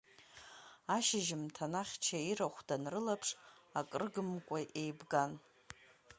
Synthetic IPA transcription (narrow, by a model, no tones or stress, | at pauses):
aʃɪʒɪmtʰanaχʲt͡ʃʰaiɾaχʷdanrɨlapʰʂakʼrɡɨmkʷʼaʔejbɡan